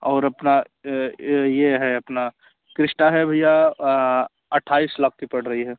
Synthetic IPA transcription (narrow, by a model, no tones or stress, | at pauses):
ɔːɾɐpna | jeɦɛɐpna | kɾɪsʈaɦɛbʱija | ɐʈʰːaːislɐk̚ʰkipɐɽ̤ɾɐɦiɦɛː